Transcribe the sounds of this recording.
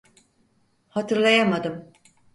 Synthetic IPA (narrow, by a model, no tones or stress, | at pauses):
hat̪ʰɯɾlˠajamad̪ɯm